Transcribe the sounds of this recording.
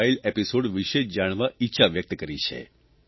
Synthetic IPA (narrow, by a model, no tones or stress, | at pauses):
ilepisoɽʋiʃeʃd͡ʒaɽ̃ʋaitːʃʰaʋjək̚t̪kəɾit͡ʃʰḛ